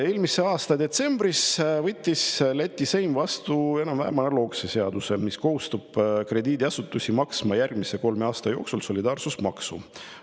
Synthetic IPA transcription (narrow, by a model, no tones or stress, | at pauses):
e̞ːlmise̞ɑːst̪ɑd̪e̞t̪se̞mbrisvɤt̪ʲˑːislet̪ʲːise̞jmvɑst̪ue̞nɑmvæ̰hemɑnelo̞ːksese̞ɑd̪̥usemisko̞hust̪ub̥kre̞d̪iːd̪iɑsut̪ːˑusʲimɑksmɑjærɡ̥mise̞ko̞lme̞ɑːst̪ɑjo̞ːksulso̞lʲid̪ɑːrsusmɑksu